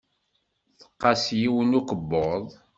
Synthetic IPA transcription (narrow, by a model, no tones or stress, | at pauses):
θə̥qːɑsjiwənukəbːoðˤ